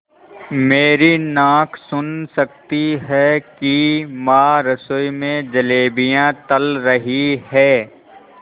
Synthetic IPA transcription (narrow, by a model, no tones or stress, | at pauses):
meːɾinãːkʰsʊnsɐk̚t̪iɦɛkimaːɾəsʊjmẽd͡ʒɐleːbijãt̪əlɾɐɦiɦɛː